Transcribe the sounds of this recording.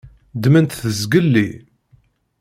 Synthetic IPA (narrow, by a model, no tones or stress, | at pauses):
d̪mənt̪θəzɡəlːi